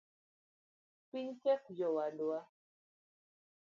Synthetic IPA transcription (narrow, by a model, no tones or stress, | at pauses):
piɲt͡ʃɛk̚jɔwadwa